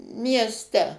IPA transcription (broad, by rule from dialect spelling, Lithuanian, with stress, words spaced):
mʲiɛsʲˈtʲɛ